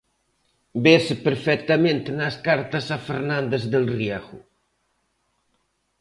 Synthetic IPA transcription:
bespeɾfɛk̚t̪amẽnt̪enaskaɾt̪asafeɾnãnd̪ezd̪elriaɣu

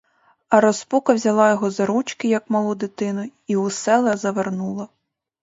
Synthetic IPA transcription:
ɐɾɔspukɐwzʲɐlˠɑjɔɦɔzɐɾut͡ʃkɪjɐkmɐlˠud̪ɪt̪ɪnʊiʊsɛlˠɐzɐʋernulˠɐ

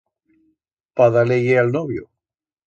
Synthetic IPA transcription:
paðaleʝealnoβjo̰

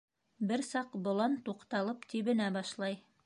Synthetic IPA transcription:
bɘɾsɑqbŏlˠɑnt̪uqt̪ɑlˠɤpt̪iβɘ̆næbɑʃlˠɑj

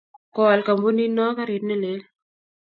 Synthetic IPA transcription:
kɔːlkɐmbuninːaːkɐɾinele

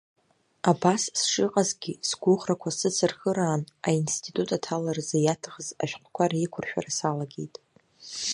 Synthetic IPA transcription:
abassʂɨqʼazɡʲisɡʷʊʁrakʷʰasɨt͡sʰɨrxəɾaːnainstʰitʼutʼatʰalarzejatʰaχəza̰ʃᶣqʷʰʼkʷaɾaikʷʰʊrʃᶣa̰rasalaɡʲḛjtʼ

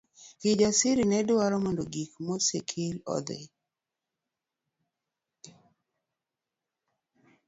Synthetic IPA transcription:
kid͡ʒasiɾinɛdʊaɾɔmendoɡikmɔsikʰɪlɔ̰d̪ɪ̰

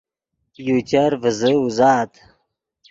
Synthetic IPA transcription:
jut͡ɕɐɾvəzəuzaːt̪

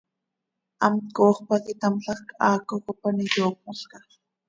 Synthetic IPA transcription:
ɑmt̪koːχpakit̪amɬɑχkɑːkokopanijoːk̚moɬkɑ

